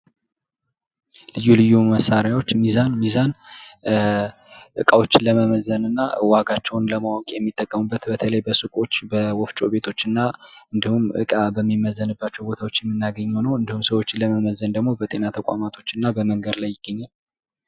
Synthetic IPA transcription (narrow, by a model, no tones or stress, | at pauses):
lɨjːulɨjːuməsaɾjawo̞t͡ʃːmizanmizan | ʔɨkʼawo̞t͡ʃːɪnləməməzənɨnːawaɡat͡ʃːɛwnləmawɔkʼjɛmːit̪ʼːəkʼːəmubːət̪bət̪ʰələjbəsɨkʼo̞t͡ʃːbəwɔft͡ʃʼo̞be̞t̪ʰo̞t͡ʃːɨnːaɨnd̪ihumʔɨ̰kʼabəmːimːəzːənɨbːat͡ʃːɛwbo̞t̪ʰawo̞t͡ʃːjɛmːɨnːaɡəɲːɛwnəwɨnd̪ihumsəwo̞t͡ʃːɪləməməzənd̪əɡmo̞bət̪ʼe̞nat̪ʰəkʷʼa̰mat̪ʰo̞t͡ʃːɨnːabəməŋɡəd̪lajːɪɡ̥ːəɲːal